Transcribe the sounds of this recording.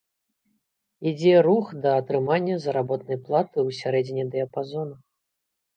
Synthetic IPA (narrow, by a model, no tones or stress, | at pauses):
id͡zʲɛɾuxd̪ɐːt̪ɾɨmanʲːɐzɐɾabɔt̪̚nɐjplˠat̪ɨwsʲaɾɛd͡zʲinʲid̪ɛɐpazɔnɐ